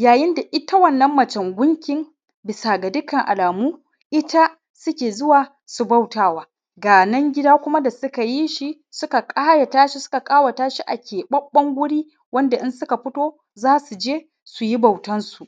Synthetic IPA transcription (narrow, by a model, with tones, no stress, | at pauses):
jaː˨jɪ˦nda˨ʔɪ˦ta˦wɐ˦˨nːɐ˦mːɐ˨t͡ʃɐ˨ŋɡʷʊ˦ŋkʲɪ˨˦ŋ | bɪ˨saː˨ɡa˨dʊ˦kɐ˨ŋʔa˨laː˨muː˦ | ʔɪ˦ta˦ | sʊ˦kʲeː˨zʊ˦waː˨ | su˨ba˦˨wtaː˦waː˦ | ɡaː˨nɐ˦ŋɡʲɪ˦daː˦kʷʊ˦ma˦da˨sʊ˦ka˨ji˦ʃi˦ | sʊ˦ka˨kʼaː˦ja˨taː˦ʃi˦sʊ̥˦ka˨kʼaː˦wa˨taː˦ʃi˦ʔa˨kʲʰeː˨ɓɐ˦bːɐ˦ŋɡʷʊ˦ɽiː˦ | wɐ˦nda˨ʔɪ˦nsʊ˦ka˨ɸɪ˦toː˦ | zaː˦su˨d͡ʒeː˦ | su˨ji˦ba˨wtɐ˦nsu˨ʔ